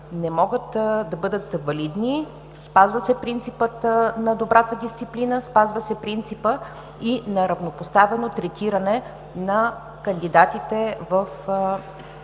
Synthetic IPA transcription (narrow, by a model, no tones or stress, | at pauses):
nɛmɔɡət̪d̪ɐbɤd̪ət̪vɐlid̪ni | spazvəsɛpɾint̪sipət̪nɐd̪obɾat̪əd̪ist̪siplinəspazvəsɛpɾint̪sipə | inɐɾɐvnopost̪avɛnot̪ɾɛt̪iɾɐnɛ | nɐ | kənd̪id̪at̪it̪ɛvəf